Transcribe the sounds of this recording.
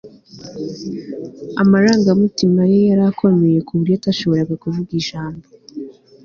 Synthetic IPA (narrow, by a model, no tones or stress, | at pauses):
amaɾaːŋɡamutimaje̞jaɾakʰo̞me̞je̞kuβuɾjotaʃo̞βo̞ɾaɡakuvuɡiʒaːmbo